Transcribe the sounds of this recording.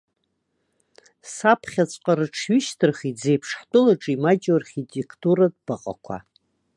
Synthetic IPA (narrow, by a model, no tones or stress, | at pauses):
sapʰχʲat͡sʷʼqʼaɾɨʈ͡ʂʰɥʏʃtʰɨrχid͡zejpʰʂħtʼɨlaʈ͡ʂʼimad͡ʒʼoarχʲitʼe̞kʰtʼuɾad̚b̥aqʼa̰kʷʰa̰